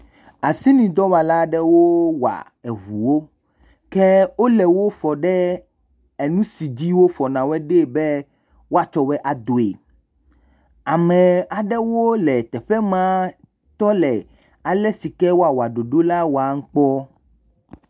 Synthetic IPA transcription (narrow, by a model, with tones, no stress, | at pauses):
a˨si˦nĩ˨d̪ɔ˦wa˨la˦ɖɛ˦wo˦wa̰˨ | ɛ˨ɦu˨wo˦ | kɛ˦wo˦lɛ˨wo˦fɔ˨ɖɛ˦ | e˨nũ˦si˨d͡ʑi˦wo˦fɔ˨nã˨wɛ˦ɖe˦˨bɛ˦ | wo˦a˦t͡ʃɔ˦wɛ˦ʔa˨d̪o˨e˨ | a˨mɛ̃˨a˨ɖɛ˦wo˦lɛ˨t̪ɛ˨ɸɛ˦mã˦ | t̪ɔ˦lɛ˨ | a˨lɛ˦si˨kɛ˦wo˦a˨wo˨a˨ɖo˨ɖo˦la˦wo˦a˨ŋ̩˦k͡pɔ˦